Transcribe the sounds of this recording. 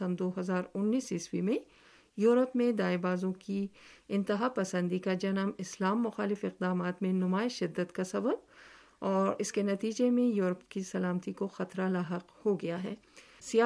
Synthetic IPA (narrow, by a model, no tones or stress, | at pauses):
ɐ̃md̪oːɦɐzaːɾʊnːiːsɪswimẽ | juːɾəpmẽd̪aːɪbaːzõkiɪ̃nt̪ɪɦapɐsə̃nd̪ikad͡ʒɐnəmɪslaːmːʊxaːlɪfɪq̚d̪aːmaːt̪mẽnʊmaːɪʃɪd̪ːəd̪kasɐbəb̚ | ɔːɾɪskenɐt̪iːd͡ʒemẽjuːɾəpkisɐlaːmt̪ikoxɐt̪ɾalaːɦəqhoɡɐjaɦɛ̰ːsijaː